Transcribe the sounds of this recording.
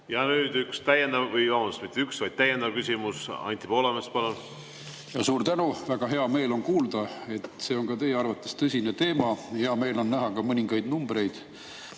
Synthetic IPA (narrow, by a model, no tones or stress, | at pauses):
jɑnyːd̪̥ykst̪æjend̪ɑvːɤjvɑmɑnust̪mit̪ːeyksvɑjd̪̚t̪æjend̪ɑvkysʲimusɑ̰nʲt̪ʲːipo̞ːlɑmespɑlun | jɑsuːɾt̪ænuvæɡ̥ɑɦe̞ɑme̞ːlo̞nkuːld̪̥ɑe̞t̪ˑse̞ːo̞nkɑt̪e̞jeɑrvɑt̪ːˑest̪ɤsʲine̞t̪e̞ːmɑhe̞ɑme̞ːlo̞nːæɦɑkɑmɤnʲiŋɡɑjd̪numb̥re̞jd̪̥